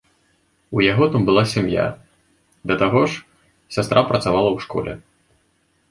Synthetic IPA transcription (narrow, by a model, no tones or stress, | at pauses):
ujaɣɔt̪ambɨlˠasʲamja̰ | d̪ɐt̪aɣɔʂ | sʲast̪ɾʔapɾɐt̪savalˠɐwʂkɔ̰lʲɛ̰